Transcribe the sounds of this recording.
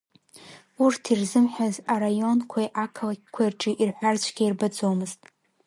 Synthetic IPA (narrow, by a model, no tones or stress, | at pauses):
urtʰirzɨmħʷᶣazaɾajo̞nkʷʰajʔakʰlakʲʰkʷʰairʈ͡ʂʼiʔirħʷart͡ʃʷʰɡʲairbad͡zo̞mɨztʼ